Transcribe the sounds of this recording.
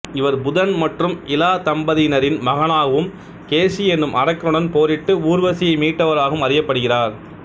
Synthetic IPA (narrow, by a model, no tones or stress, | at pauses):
ɪʋɐɾbʊðɐnmɐʈrɯmɪlaːt̪ɐmbɐðinɐɾɪnmɐɣɐɳaːɣɐʋɯm | keːʂiɛnːɯmʔɐɾɐkːɐɾɯɽɐnpoːɾɪʈːɯuːɾʋɐsɪjɐɪmiːʈːɐʋɐɾaːɣɐɯmɐɾɪjɐpːɐɽɯɣɪraːɾ